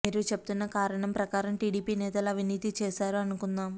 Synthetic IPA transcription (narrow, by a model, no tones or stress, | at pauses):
meːɾut͡ʃe̞pb̚ut̪unːɐkaːɾɐɳɐmpɾɐkaːɾɐmʈiːɽiːpiːnɛːt̪ɐlɐʋiniːt̪it͡ʃɛːʃaːɾuɐnukunːaːm